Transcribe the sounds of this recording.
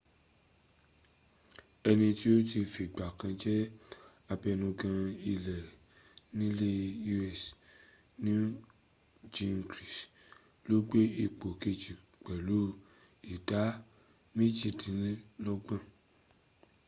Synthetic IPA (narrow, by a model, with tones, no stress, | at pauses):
ɛ˧nĩ˧ti˦o˦ti˧fi˨ɡ͡ba˨kã˧d͡ʒɛ˦ | a˧bɛ˧nũ˧ɡã˧i˧lɛ˨ | nĩ˦le˦u˧ɛ˦˨s | nĩ˦ | d͡ʒĩ˧nkɾi˨s | lo˦ɡ͡be˦i˧k͡po˨ke˧d͡ʒi˨ | k͡pɛ˨lo˨˦ | i˨da˨˦ | mĩ˦d͡ʒi˦˨dĩ˨˦lɔ˦ɡ͡bã˦˨